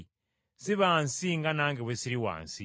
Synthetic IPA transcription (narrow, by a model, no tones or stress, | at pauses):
siβaːnsiŋɡanaːŋɡeβwesiɾiwa̰ːnsi